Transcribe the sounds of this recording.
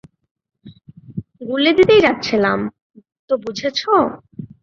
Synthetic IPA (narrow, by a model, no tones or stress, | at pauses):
ɡuled̪it̪ejd͡ʑat̪ːɕʰelam | t̪obud͡ʑʱet͡ɕʰo